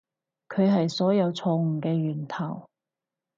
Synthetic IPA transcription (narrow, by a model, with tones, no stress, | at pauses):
kʰɵ˨˧ɥɦɐ˨jsɔː˨˥jɐ˨˧wt͡sʰɔː˧ŋ̩ː˨˩kɛː˧ɥyː˨˩nt̪ʰɐ˨˩w